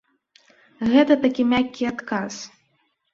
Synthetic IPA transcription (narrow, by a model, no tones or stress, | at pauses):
ɣɛt̪ɐt̪akʲimʲakʲːiat̪kas